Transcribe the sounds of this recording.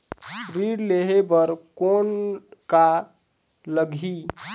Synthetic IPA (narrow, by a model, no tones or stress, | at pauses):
ɾiːɖleːɦebəɾkoːnka | ləɡʱi